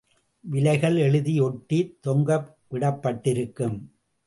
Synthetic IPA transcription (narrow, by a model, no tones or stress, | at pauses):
ʋɪlɐɪɣɐɭɛɻɯðijɔʈːit̪ːɔŋɡɐ | ʋɪɽɐpːɐʈːɪɾɯkːɯm